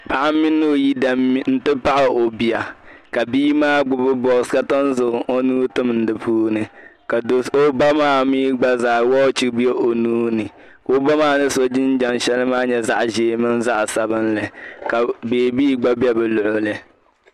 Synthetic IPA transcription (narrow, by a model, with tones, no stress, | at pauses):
pa˨ʔa˦mɪ˦nːo˦˨ji˦da˨˦n̩˦tɨ˦pa˦ʔa˨ʔo˨bi˨a˨ka˨biː˦maː˦ɡ͡bʊ˦bʊ˦bɔ˨ska˦tɔ˦n˦zʊ˨ɣʊ˨ʔo˦nuː˦tʊ˦mn̩˦dɨ˨pʰuː˦nɨ˨ka˨do˨so˦ba˦maː˦miː˦ɡ͡ba˦zaː˨wɔ˦t͡ʃi˦kbi˦e˦ʔo˨nuː˦nɨ˨ | ko˦ba˦maː˦nɨ˦so˦d͡ʒɪ˦n˦d͡ʒa˨nʃɛ˦lɨ˦maː˦ɲɛ˨za˦ʔʒeː˨mɨ˦nza˦ʔsa˨bɨ˦nlɨ˨ka˨beː˨biː˦ɡ͡ba˦bi˦ɛ˦bɛ˨lʊ˨ʔʊ˦lɨ˨